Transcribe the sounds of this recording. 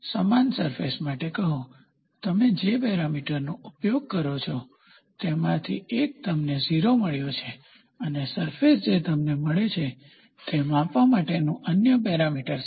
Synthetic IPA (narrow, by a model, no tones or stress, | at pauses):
səmansəɾfḛsmaʈekəɦũ | t̪əmed͡ʒebɛɾamiʈəɾnõupjoɡ̚kəɾot͡ʃʰɔ | t̪emãt̪ʰḭek̚t̪əmneziɾoməɭjot͡ʃʰe | ənesəɾfesd͡ʒet̪əmneməɭet͡ʃʰe | t̪emãpʋamaʈenũʔənjəbɛɾamiʈəɾ